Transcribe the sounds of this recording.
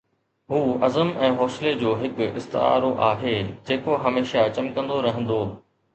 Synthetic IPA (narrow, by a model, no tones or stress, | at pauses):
ɦuːɐzəmɛ̃ːɦɔːsɪled͡ʑoːɦɪkʊɪ̰st̪ɪ̰a̰ːɾoʔaːɦeːd͡ʑeːkoɦɐmeːʃat͡ɕɐmkɐ̃nd̪oɾɐɦə̃nd̪oː